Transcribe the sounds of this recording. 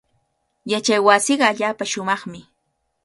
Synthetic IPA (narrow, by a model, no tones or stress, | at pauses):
jat͡ʃajwasɪɢɑːʎaːpaʃʊmɑχmɪ